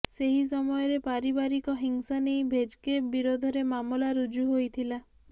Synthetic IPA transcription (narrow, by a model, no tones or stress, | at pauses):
seɦis̬ɔmɔjɔɾepaɾibaɾikɔɦiŋsanejbʱed͡ʒkebiɾod̪ʱɔɾemamulaɾud͡ʒuɦojt̪ʰila